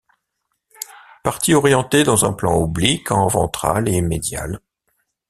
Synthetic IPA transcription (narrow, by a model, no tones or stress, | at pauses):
paʁt̪iɔʁjɑ̃t̪ed̪ɑ̃zɛ̃plɑ̃ublikɑ̃vɑ̰̃t̪χa̰lemed̪ja̰l